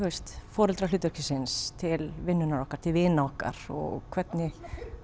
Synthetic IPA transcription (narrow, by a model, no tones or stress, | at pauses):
ɛst̪fɔːɾɪlt̪ɾalʏːt̪ʏɾ̥cɪsɪnst̪ʰɪlvɪnːʏnaɾɔhkaɾ̥t̪ʰɪlvɪːnaɔhka̰ɾ̥ɔ̰ɣkʰvɛt̪nɪ